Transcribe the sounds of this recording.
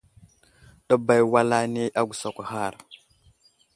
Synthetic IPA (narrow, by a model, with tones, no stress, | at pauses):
ɗa˦ba˨jwa˦la˦ne˦ʔa˦ɡu˨sa˨kʷa˨ha˦˨ɾ